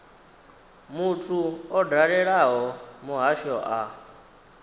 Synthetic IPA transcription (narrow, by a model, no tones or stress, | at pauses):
mutʰuɔdaɺɛɺaɦɔmuɦaʃɔʔa